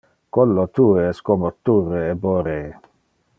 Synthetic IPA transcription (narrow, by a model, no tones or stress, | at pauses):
kɔlːot̪ueɛskomot̪ːureeboɾe